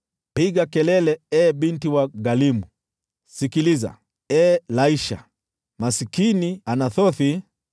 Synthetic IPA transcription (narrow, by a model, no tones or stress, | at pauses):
piɡakɛlɛlɛɛɓintiwaɡalimu | sikiliza̰ | ɛlaiʃa̰ | masikinianaθɔθi